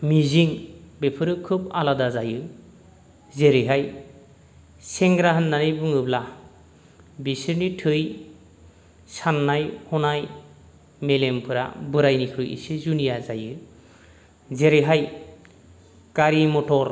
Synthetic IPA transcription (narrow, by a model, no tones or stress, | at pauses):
miziŋbepʰɯɾɯkʰɯba̰ladazajɯ | zeɾiɦaj | seŋɡɾaɦɯnːanɯjbɯŋɯbla | bisɯɾnitʰɯj | sanːajhɔnaj | melempʰɯɾa̰bɯɾajnikʰɯjḭsizunijazajɯ | zeɾiɦaj | kaɾimɔtʰɔɾ